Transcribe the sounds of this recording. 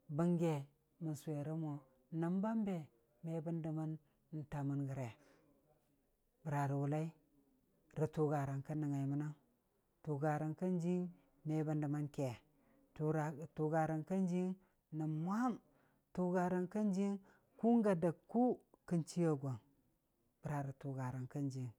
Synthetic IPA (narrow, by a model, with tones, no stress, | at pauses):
bə˦ŋɡe˨ | mə˨nsu˨we˨ɾa˦mo˨ | na˨mba˦mbe˨ | me˦ba˦nda˨ma˦nː˨ | ta˨mu˨nɡə˨ɾe˨ | bə˨ɾa˨ɾi˨wu˨la˦i˦ | ɾə˨tu˨ɡa˨ɾa˨nka˦nə˨ŋa˨i˨mu˦na˦m | tu˨ɡa˨ɾa˨nkə˦nd͡ʒi˦ŋ | me˨˦ba˦nda˨ma˦nke˨ | tu˨ɡa˨ɾa˨nkə˦n˦d͡ʒi˦ŋ | na˨mmʷ˦a˦m | tu˦ɡa˨ɾa˨nkə˦nd͡ʒi˦ŋ | ku˦ŋ˦ɡa˨da˨kːu˦kə˦nt͡ʃi˦ja˦ɡʷo˨ŋ | b̥ə˨ɾa˨ɾi˨tu˨ɡa˨ɾa˨nkə˦nd͡ʒi˨ŋ